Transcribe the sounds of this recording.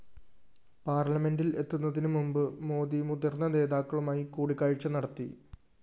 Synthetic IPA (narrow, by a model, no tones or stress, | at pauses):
paːrlɐme̞ndile̞t̪ːunːɐðinɨmumbɨmo̞ːd̪imud̪ɐrnːɐne̞ːðaːkːɐɭumaːjikuːɽikːaːɻit͡ɕːɐnɐɽɐt̪ːḭ